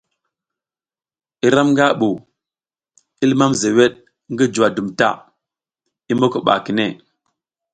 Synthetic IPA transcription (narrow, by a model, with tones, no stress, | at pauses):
i˦ɾa˦mŋɡa˦ɓu˨ | i˦lma˦mze˨we˦ɗ | ŋɡi˦d͡ʒu˨wa˨du˨mta̰˦ | i˦mbo˦kə˨ɓa̰˨ki˨ne˦˨